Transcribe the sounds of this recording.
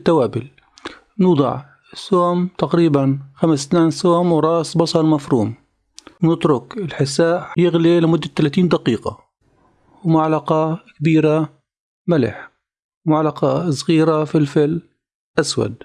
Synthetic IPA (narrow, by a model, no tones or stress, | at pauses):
t̪ːawaːbɪl | nuːd̪ˤɑ̰ʕ | ɪsːoːmt̪aqɾiːbanxamst̪naːnsoːmwɾˤɑːsbɑsˤɑlmafɾuːm | wnɪt̪ɾʊkɪlħɪsaːʔjɪɣlilɪmʊd̪ːat̪ːalaːt̪iːnd̪aqiːqɑ̰ | wmʊʕalaqɑkbiːɾa | mɪlɪ̰ħ | mʕalaqɑsˤɣiːɾafilfɪl | ʔaswa̰d̪̚